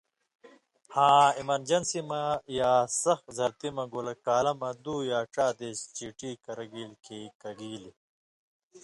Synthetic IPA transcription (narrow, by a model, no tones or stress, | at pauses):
hãːimɐɾd͡ʑɐnsimɐjaːsɐxzɐɾt̪imɐɡolɐkaːlɐmɐd̪uːjaːʈ͡ʂaːd̪est͡ɕiːʈiːkɐɾɐɡiːlkʰeːkɐɡiːli